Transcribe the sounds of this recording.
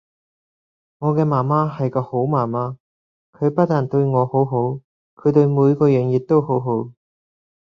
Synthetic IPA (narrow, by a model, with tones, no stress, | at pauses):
ŋɔː˨˧kɛː˧maː˨˩nmaː˥hɐ˨jkɔː˧ho˨˥wmaː˨˩maː˥ | kʰɵ˨˧ɥpɐ˥t̚ːaː˨˩nt̪ɵ˧ɥŋɔː˨˧ho˨˥wɦo˨˥w | kʰɵ˨˧t̪ɵ˧ɥmuː˨˧jkɔː˧jœː˨˧njɪ˨k̚t̪o˥who˨˥wɦo˨˥w